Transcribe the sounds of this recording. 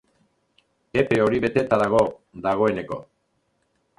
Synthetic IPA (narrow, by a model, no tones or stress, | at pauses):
epe̞o̞ɾiβe̞t̪e̞t̪aɾaɣ̞o̞ | d̪aɣo̞e̞ne̞ko̞̰